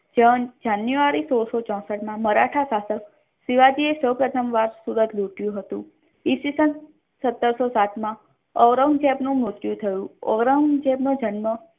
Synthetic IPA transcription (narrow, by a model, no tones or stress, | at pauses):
d͡ʒə̃d͡ʒanjuʋaɾisoɾsot͡ʃɔ̃səʈmãməɾaʈʰasasək | siʋad͡ʒiesəwpɾət̪ʰəmʋaɾsuɾət̪luʈjũɦət̪ṵ̃ | isisən | sət̪ːəɾsosat̪mã | ɔʋɾəŋɡd͡ʒɛbnũmut̪jũt̪ʰəjũɔ̰ʋɾəŋd͡ʒɛbnud͡ʒənmə